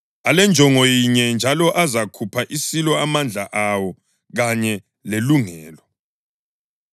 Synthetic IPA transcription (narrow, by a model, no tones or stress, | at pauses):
alɛnd͡ʒʱɔŋɔjiɲɛnd͡ʒʱalɔʔazakʰupʰaʔisilɔamand͡ɮʱaʔawɔ | ɣaɲɛ | leluŋɛːlɔ